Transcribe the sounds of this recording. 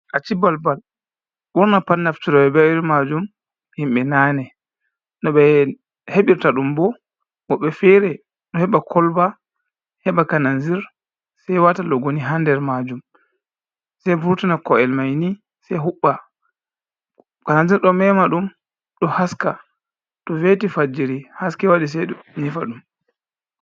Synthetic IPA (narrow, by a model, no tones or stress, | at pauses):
ʔat͡ʃibalbal | ɓuɾnapanːaftuɾɔɓɛbɛwɾmad͡ʒum | himɓɛnaːnɛ | nɔɓɛ | heɓiɾtaɗumbɔ | wɔɓɛfɛɾɛ | ɗɔhɛɓakʰɔlba | hɛɓakananziɾ | sɛjwatalɔɡoniɦandɛɾmad͡ʒum | sɛjbuɾtinakɔɛlmajni | sɛjɦuɓːa | kananziɾɗɔmɛmaɗum | ɗɔhaska | tɔvetifad͡ʒiɾihaskɛwaɗis̬ɛnifa̰ɗum